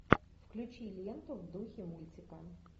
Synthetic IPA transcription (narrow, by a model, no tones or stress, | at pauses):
fklʲʊt͡ʃijlʲjɛnt̪ʊwd̪uxʲimulʲt͡sʲɪkɐ